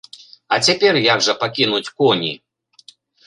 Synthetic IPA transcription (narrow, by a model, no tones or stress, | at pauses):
ɐt͡sʲapʲɛrjaɡʐɐpakʲinut͡sʲkɔnʲḭ